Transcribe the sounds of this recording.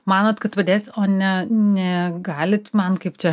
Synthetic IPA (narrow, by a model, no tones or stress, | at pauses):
mɑːnoːt̪kɐt̪ʋɐd̪ʲeːsʲoːnʲɛnʲɛɡɑːlʲɪt̪mɐnkɐɪpt͡ʃʲɛ